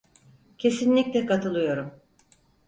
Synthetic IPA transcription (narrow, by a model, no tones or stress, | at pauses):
cʰe̞sinlʲiclʲɛkat̪ʰɯlˠɯjo̞ɾum